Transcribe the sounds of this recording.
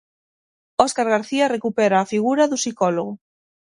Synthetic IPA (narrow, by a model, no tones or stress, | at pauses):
ɔskaɾɣaɾθiarekupɛɾaːfiɣuɾaðusikɔloɣʊ